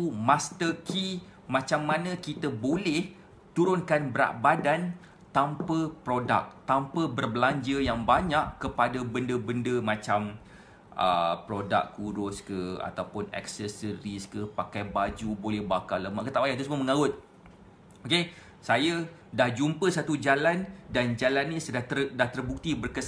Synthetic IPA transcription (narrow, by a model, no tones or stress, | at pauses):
t̪umast̪əkʰi | mãt͡ʃamːanə̃kit̪əbolɛh | t̪uɾʊnkanbəɾa̰ʔbadan | t̪ampəpɾoda̰k̚t̪ampəbərblaɲd͡ʒəjaŋbaɲaʔkːəpadabəndəbəndəmãt͡ʃam | ə̰pɾoda̰kkuɾʊskəa̰t̪awpʊnɛ̰ksɛsəɾiskəpakajbad͡ʒubolɛhbakaləmaʔkət̪aʔbajat̪usməməŋaʊt̪̚ | oke | saja | dahd͡ʒumpəsat̪ud͡ʒalandand͡ʒalanːĩsədat̪ədaht̪ərbuk̚t̪ibərkəs